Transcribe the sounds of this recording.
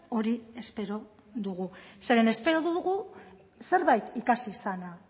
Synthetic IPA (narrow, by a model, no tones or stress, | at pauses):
o̞ɾie̞spe̞ɾo̞ | ðuɣ̞use̞ɾene̞spe̞ɾo̞ðuðuɣu | se̞ɾβajt̪ikasisana